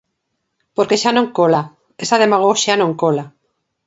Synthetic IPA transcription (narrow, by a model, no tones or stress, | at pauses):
poɾkeʃanõŋkola | esaðemaɣ̞oʃanõŋkola